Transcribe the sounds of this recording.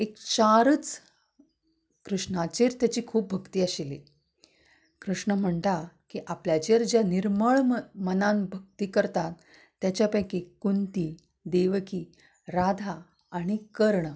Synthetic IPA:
ekt͡ɕaɾət͡s | kɾuʂɳat͡ɕeɾt̪jat͡ɕiːkʰuːp̚bʱəɡt̪iːəɕili | kɾuʂɳəm̤əɳt̪akiʔapljad͡ʑeɾd͡ʑjaniɾməɭmənambʱək̚t̪iːkəɾt̪at̪ː | jat͡ɕjapəjkekunt̪i | d̪eʋəkiː | ɾad̪ʱaː | ɽ̃ikəɾɳ

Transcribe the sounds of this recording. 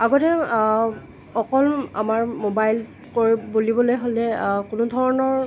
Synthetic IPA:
aɡɔtɛ | ɔkɔla̰maɹmobajl | koɹibolibɔlojɦolɛkunʊdʱɔɹɔnɔɹ

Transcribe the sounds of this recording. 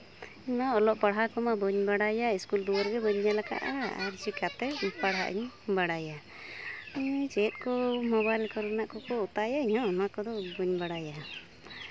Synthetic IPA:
iɲmaɔlɔʔpaɽɦakɔmabɔɲbaɽajaiskuld̪uwɔɾɡɛbɔɲjalaka̰ʔa̰ɾt͡ʃikat̪ɛpaɽɦa̰ʔḭɲ | baɽaja | t͡ʃɛt̪̚ˀkɔmɔβajlkɔɾnaʔkɔkɔut̪ajaɲhɔ̃ɔmakɔd̪ɔbɔɲbaɽaja

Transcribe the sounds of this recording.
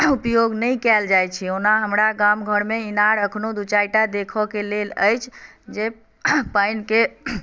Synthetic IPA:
upjoɡnəjkɛld͡ʒajt͡ʃʰionaɦəmɾaɡamɡʱəɽmeinaɾəkʰnod̪ut͡ʃajʈad̪ekʰɔkelelə̰jt͡ʃʰ | d͡ʒe | pəjnke

